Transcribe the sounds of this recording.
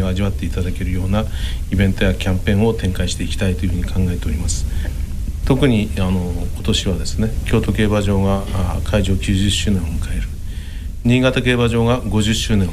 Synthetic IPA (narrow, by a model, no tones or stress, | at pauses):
oaʑiβat̪ːe̞it̪ad̪ake̞ɾɯ̟jo̞ːnaibẽ̞nt̪o̞jakʲãmpẽ̞ɰ̃o̞t̪ẽ̞ŋkaiɕi̥t̪e̞ikʲi̥t̪ait̪o̞jɯ̟hɯ̟ɲ̟ikʰãŋɡae̞t̪e̞oɾʲimasɨ̥ | t̪o̞kɯ̟ɲ̟iano̞ko̞̥t̪o̞ɕiβ̞ad̪e̞sɨne̞kʲo̞ːt̪o̞ke̞ːbaʑo̞ːɡakʰaiʑo̞ːkʲɨːʑɨɕːɨːnẽ̞omɯ̟kae̞ɾɯ̟ | ɲ̟iːɡat̪ake̞ːβaʑo̞ːɡaɡo̞ʑɨɕːɨːnẽ̞